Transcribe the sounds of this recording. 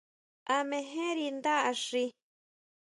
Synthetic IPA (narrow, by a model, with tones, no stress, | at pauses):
a˧mẽ˧ɦẽ˦ɾi˧nd̪a˦ʔa˧ʂi˧